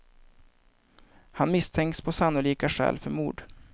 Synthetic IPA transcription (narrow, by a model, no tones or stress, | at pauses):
hanmɪst̪ʰɛŋkspʰɔsanːʊliːkaɧɛ̰ːlfœɾmuːɖ